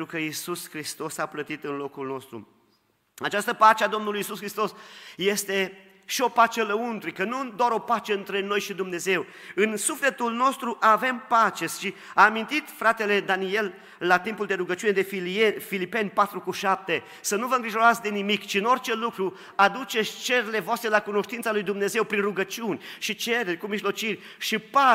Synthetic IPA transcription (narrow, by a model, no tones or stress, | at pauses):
ent̪ɾukəisuskɾist̪o̞saplət̪it̪ɨnlo̞kulno̞st̪ɾṵ | at͡ʃast̪əpat͡ʃead̪o̞mnulujisuskɾist̪o̞sje̞st̪e̞ | ʃio̞pat͡ʃeləunt̪ɾikənud̪oaɾo̞pat͡ʃe̞ɨnt̪ɾe̞no̞jʃid̪umne̞ze̞w | ɨnsufle̞t̪ulno̞st̪ɾuʔave̞mpat͡ʃe̞ʃi | aːmint̪it̪fɾat̪e̞le̞d̪anie̞lː | at̪impuld̪e̞ɾuɡət͡ʃune̞d̪e̞ffilipe̞nʲpat̪ɾukuʃap̚t̪e̞ | sənuvəɨŋɡɾiʒo̞ɾat̪sʲd̪e̞nimikt͡ʃiɨno̞rt͡ʃe̞lukɾu | ad̪ut͡ʃet͡ʃe̞ɾele̞voast̪ɾe̞lakuno̞ʃt̪int̪salujd̪umne̞ze̞wpɾinruɡət͡ʃiunʲʃit͡ʃe̞ɾerʲkumiʒlo̞t͡ʃirʲ | ʃipa